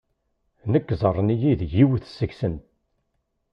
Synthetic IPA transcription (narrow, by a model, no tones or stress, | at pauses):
nəkːzˤərˤːnijiðʝiwθəsːəçsənt̪̚